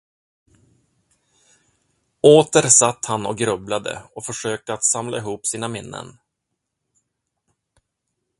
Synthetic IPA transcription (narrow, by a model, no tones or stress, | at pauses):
oːt̪əɾsat̪ːhanɔ̰k̚ɡɾɵblad̪ə̰ɔfœʂøːk̚t̪əat̪samlaɪɦuːpsiːnamɪnːə̰n